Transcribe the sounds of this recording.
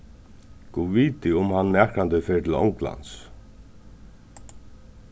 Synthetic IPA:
kuːviːt̪ɪʊmhanmæːkɾant̪ɪfɛːɹt̪ʰɪlɔ̰ŋkla̰nt̪s

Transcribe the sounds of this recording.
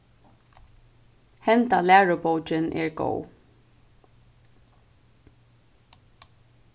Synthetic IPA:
hɛnt̪alæːɹʊbowt͡ʃɪnʔɛ̰ɹɡo̰w

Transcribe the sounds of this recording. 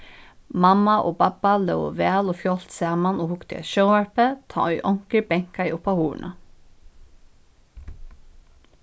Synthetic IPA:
mɑmaʔoːbɑbalœʊʋæːloːfjɔlt̪sæːmanoːhʊkt̪ɪɛ̰ʃœʊʋæɹpət̪ʰɑ̰ːœʏʔɔŋ̥kəbɛŋ̥kaɪʔʊpːɑhuːɹ̰ɳʔə̰

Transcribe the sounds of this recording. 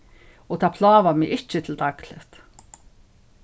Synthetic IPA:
ɔt̪ʰaːpʰlaːʋamɪʔɪt͡ʃɪt̪ʰɪlt̪aklɪht̪

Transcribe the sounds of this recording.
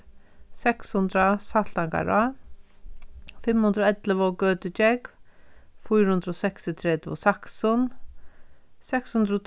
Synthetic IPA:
sɛkshʊnd̪ɾasatlaŋka̰ɾa | fɪmhʉnd̪ɾɔɛt̪ləʋɔkœːt̪ʏt͡ʃɛk | fujɾhʊnd̪ɾɔsɛksɪt̪ʰɾɛt̪ʋɔ̰saksʊn | sɛkshʊnd̪ɾɔt̪ʰ

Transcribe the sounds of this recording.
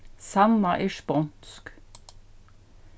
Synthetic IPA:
sɑmmɑʔiːʃpɔnsk

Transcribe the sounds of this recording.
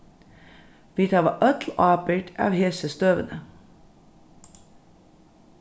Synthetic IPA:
ʋiːt̪ʰɑːʋɑ̰ːʔœt̪l̩ɑːpəʈʰɑ̰ːʋheːsəst̪øːʋə̰nə

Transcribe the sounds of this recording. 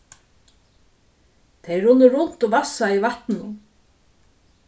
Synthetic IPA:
t̪ʰejɾʊnːɪɾʊn̥t̪ɔvasaivaht̪nʊ

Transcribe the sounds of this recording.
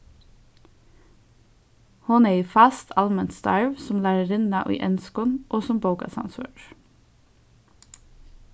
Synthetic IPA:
hʊneːiːfɑst̪ʰɑlmənt̪st̪ɑ̰ɹʋsɔmlæːɾəɾɪnɑʔḭːʔɛnskɔnʔoːsɔmboʊkɑ̰sɑ̰nsʋø̰ːʈ

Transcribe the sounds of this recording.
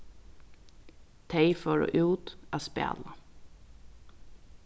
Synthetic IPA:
t̪ʰeɪfɔɹo̰ːʔʉːt̪aːspḛːlə

